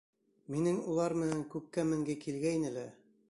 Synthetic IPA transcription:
minɘŋulˠɑɾmɘ̆næŋkʉp̚kːæmɘ̆ŋɡɘkilɡæjnɘ̆læ

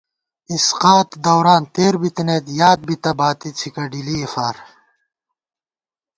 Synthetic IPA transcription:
isqaːt̪d̪ɐwɾaːnt̪eːɾbit̪inet̪jaːd̪̚bit̪ɐbaːt̪it͡sʰikɐɖiliefaːɾ

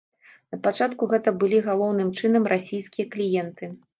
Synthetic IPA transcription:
nɐpat͡ʂat̪kuɣɛt̪ɐbɨlʲiɣalˠɔwnɨmt͡ʂɨnɐmɾʔasʲijskʲijɐklʲijɛnt̪ɨ

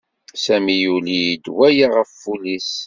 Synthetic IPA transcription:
sæmijulid̪wæjaʁəfːulis

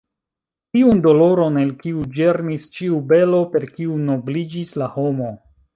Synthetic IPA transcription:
tiundo̞lo̞ɾo̞nelkiud͡ʒe̞ɾnist͡ʃiube̞lo̞pe̞ɾkiuno̞blid͡ʒislaho̞mo̞

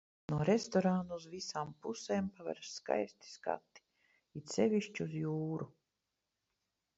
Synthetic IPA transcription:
nuɔɾest̪ɔɾanuuzvisaːmpuseːmpavɛ̰ɾsːka̰jst̪i̥ska̰t̪ːi̥ | it̪sevʲiʃt͡ʃiuzjuːɾu

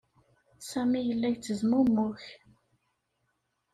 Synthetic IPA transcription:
sæmijəlːæʝt͡sːəzmʊmːʊç

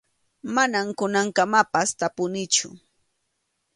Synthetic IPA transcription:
manamkʊnaŋkamapast̪apʊnɪt͡ʃʊ̰

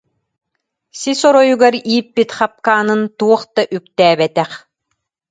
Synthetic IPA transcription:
sisɔɾɔjuɡaɾiːpːit̪χap̚kaːnɯnt̪uɔχt̪aʔykt̪ɛːbɛt̪ɛχ

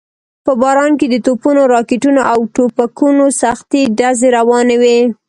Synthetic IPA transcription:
pəbɑɾɑnked̪ət̪opunoɾɑkɪʈunoʔawʈopakunosaxt̪iɖazeɾawɑnewe

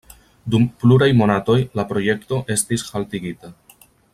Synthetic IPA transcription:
dumpluɾajmo̞nato̞jlapɾo̞je̞kto̞ʔe̞stishaltiɡita

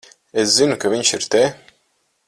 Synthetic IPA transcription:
eszinukaviɲʃiɾt̪e

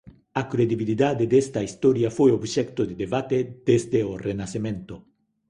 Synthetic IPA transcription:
akɾed̪iβiliðad̪ed̪est̪ɐist̪ɔɾjafojobʃɛkt̪ʊd̪ed̪eβat̪ed̪̥ezd̪eorenasemẽnt̪ʊ

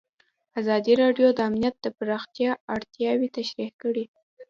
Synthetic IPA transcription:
azɑd̪iɾɑɖjod̪əamnijat̪̚d̪əpaɾɑxt̪jɑaɽt̪jɑwit̪aʃɾihkəɽi

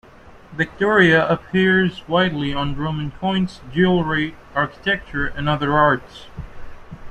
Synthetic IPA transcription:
vɨk̚tʰɔɹiɨəpʰɪɹzwaɪdˡliə̃nɹõʊ̃mɨ̃nkʰɔ̃ɪ̃nsd͡ʒʉlˠɹe | ɑɹkə̥tʰɛk̚t͡ʃə˞ʔɨ̃nʌðə˞ɑɹts

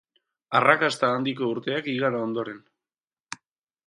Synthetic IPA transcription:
arakast̪aːnd̪iko̞uɾt̪e̞akiɣaɾaond̪o̞ɾe̞n

